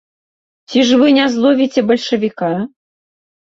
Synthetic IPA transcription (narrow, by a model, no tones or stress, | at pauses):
t͡sʲiʐvɨnʲazlˠɔvʲit͡sʲɛbɐlʲʂɐvʲika